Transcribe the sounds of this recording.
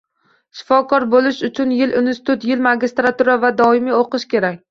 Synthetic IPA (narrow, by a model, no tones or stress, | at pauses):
ʃɪ̥fɒkʰɒɾbolɪʃʊt͡ʃʰʊnjɪlʔɪnsɪ̥t̪ʊt̪jɪlmaɡʲist̪ɾat̪uɾavad̪ɒɪmioqɨʃkʲe̞ɾakʲ